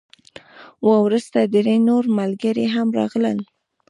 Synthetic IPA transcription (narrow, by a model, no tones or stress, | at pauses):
wawɾust̪ad̪əɾenoɾmalɡəɾeɦamɾɑ̰ɣləl